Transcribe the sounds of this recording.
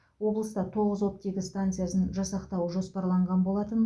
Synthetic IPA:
wo̞blˠəst̪ɑt̪ʰo̞ʁəzwo̞p̚t̪e̞ɡʲɪst̪ant̪sɨjasənʒɑsɑqt̪ɑwəʒo̞spɑɾlˠɑɴʁɑnbolˠɑt̪ən

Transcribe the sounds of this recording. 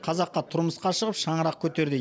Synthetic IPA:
qʰɑzɑqqːɑt̪ʰʊɾməsqɑʃəʁəpʃɑɴəɾɑq̚kʲʰɵt̪e̞ɾd̪ɪ

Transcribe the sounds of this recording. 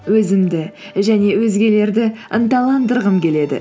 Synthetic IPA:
wɵzɪmd̪ɪʒæne̞wɵzɡʲe̞le̞ɾd̪ɪənt̪ɑlˠɑnd̪əɾʁəmkʲʰe̞le̞d̪ɪ̰

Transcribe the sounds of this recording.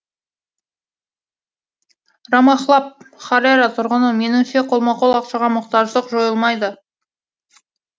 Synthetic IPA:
rɑmɑχlˠɑp̚χɑɾeɾɑt̪ʰʊɾʁənəme̞nuŋseqʰolˠmɑqolˠɑqʃɑʁɑməqt̪ɑʒˠəqʒo̞jəlˠmɑjd̪ə

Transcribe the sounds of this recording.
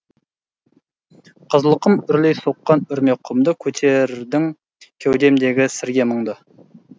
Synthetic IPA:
qʰəzlˠəqəmʏɾlejsoqːɑnʏɾme̞qʰːʊmd̪əkʲʰɵt̪ʰeɾd̪ɪŋ | kʲʰæwd̪e̞md̪e̞ɡʲɪsɪɾɡʲe̞məɴd̪ə

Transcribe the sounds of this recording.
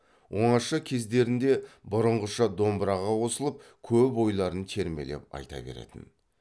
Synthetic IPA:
wʔo̞ɴɑʃəkʲʰe̞zd̪e̞ɾɪnd̪e̞bʊɾəɴʁəʃɑd̪o̞mbɾɑʁɑwo̞səlˠəp̚kʲʰɵpo̞jlˠɑɾənt̪ʰe̞ɾme̞le̞̰p̚ɑ̰jt̪ɑ̰be̞̰ɾḛt̪ɪ̰n

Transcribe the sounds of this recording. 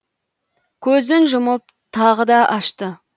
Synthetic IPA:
kʲʰɵzɪnʒʊməp̚ | t̪ʰɑʁəd̪ɑʔɑʃt̪ə

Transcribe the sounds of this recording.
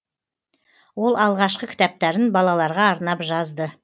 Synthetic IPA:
wo̞lˠɑlˠʁɑʃqəkʲɪ̥t̪æp̚t̪æɾɪnbɑlˠɑlˠɑɾʁɑːɾnɑpʒɑzd̪ə

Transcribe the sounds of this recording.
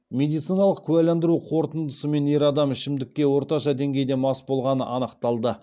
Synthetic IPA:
mʲe̞d̪ijt̪sijnɑlˠəqkʲʰʉælænd̪ɪɾuqʰo̞ɾt̪ənd̪əsəme̞ne̞ɾɑd̪ɑmɪʃɪmd̪ɪkʲːe̞wo̞ɾt̪ɑʃɑd̪e̞ŋɡʲe̞jd̪e̞mɑsbo̞lˠʁɑnəʔɑnəqt̪ɑlˠd̪ə

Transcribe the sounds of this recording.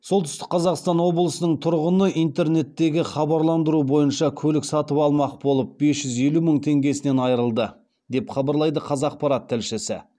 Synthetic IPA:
so̞lˠt̪ʰʏ̥st̪ɪ̥q̚qʰɑzɑqst̪ɑnwo̞blˠəsənəɴt̪ʰʊɾʁənəʔijnt̪e̞ɾne̞t̪ːe̞ɡʲɪχɑbɑɾlˠɑnd̪əɾubo̞jənʃɑkʲʰɵlɪksɑt̪əpɑlˠmɑqbo̞lˠəp̚be̞sʒ̥ʏze̞luməɴt̪ʰe̞ŋɡʲe̞sɪne̞nɑjɾəlˠd̪ə | d̪e̞pχɑbɑɾlˠɑjd̪əqʰɑzɑq̚pɑɾɑt̪ʰːælʃɪsɪ̰

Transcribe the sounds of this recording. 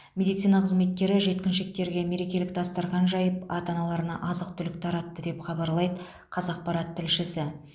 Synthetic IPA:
mʲe̞d̪ijt̪sijnɑqʰəzme̞t̪̚kʲe̞ɾɪʒe̞t̪̚kʲɪnʃɪk̚t̪e̞ɾɡʲe̞me̞ɾe̞kʲe̞lɪk̚t̪ʰɑst̪ɑɾʁɑnʒɑjəpɑt̪ɑnɑlˠɑɾənɑ̰ʔɑzəq̚t̪ʰʏlɪk̚t̪ʰɑɾɑt̪ːəd̪e̞pχɑbɑɾlˠɑjd̪ə | qʰɑzɑq̚pɑɾɑt̪ʰːɪlʃɪsɪ

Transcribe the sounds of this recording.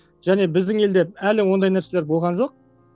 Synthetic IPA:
ʒ̥æne̞bɪzd̪ɪŋe̞ld̪e̞p̚ælɪwo̞nd̪ɑjnæɾse̞leɾbo̞lˠʁɑnʒo̞q̚

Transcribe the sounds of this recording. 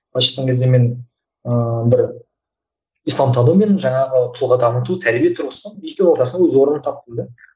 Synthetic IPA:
qʰɑʃə̥t̪ːɑŋkʲe̞zd̪eme̞n | əbɪɾ | ijsˠɑmt̪ʰonomenəɴʒɑɴɑʁət̪ʰʊlˠʁɑd̪ɑmət̪̬ut̪ʰæɾbijet̪ʰʊɾʁəsənəekʲewo̞ɾt̪ɑsənd̪ɑwɵzwo̞ɾənənt̪ʰɑp̚t̪əlˠd̪ə

